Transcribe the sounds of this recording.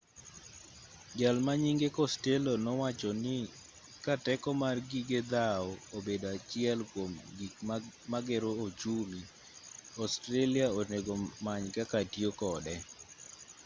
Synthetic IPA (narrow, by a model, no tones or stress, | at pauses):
ɡalmaɲiŋɡekɔstelonɔwat͡ʃɔnɪ | katɛkɔmarɡiɡed̪aɔobedoat͡ʃɪɛlkwomɡikmaɡɛɾood͡ʒuli | ɔstɾeliaoneɡomaɲkakatjokɔdɛ